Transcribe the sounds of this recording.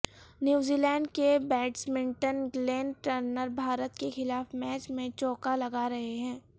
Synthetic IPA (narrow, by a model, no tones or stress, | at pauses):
njuːziːlɛ̃ːɳɖkebɛːɖsmɪ̃ɳʈənɡleːnʈəɾnəɾbʱaːɾət̪kexɪlaːfmɛːt͡ʃmẽt͡ʃɔːkalɐɡaɾɐɦeɦɛ̃ː